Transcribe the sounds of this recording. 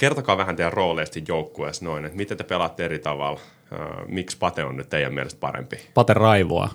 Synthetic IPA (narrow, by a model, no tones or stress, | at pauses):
kert̪okɑːʋæhænt̪elroːleːst̪ijjoukːuesnoinet̪mit̪et̪e̥pelɑt̪ːeeɾit̪ɑʋɑ̰l̰ː | mikspɑt̪eonːyt̪t̪eijæ̰miɛ̰lest̪̚pɑ̰rḛmpipɑt̪erɑiʋo̰ɑ̰